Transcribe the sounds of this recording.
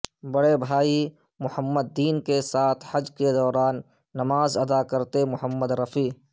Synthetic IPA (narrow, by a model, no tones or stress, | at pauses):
bɐɽebʱaːi | mʊhəmːəd̪ːiːnkesaːt̪ʰhɐd͡ʒked̪ɔːɾaːnː | ɐmaːzɐd̪akɐɾt̪emʊɦəmːəd̪ɾɐfiː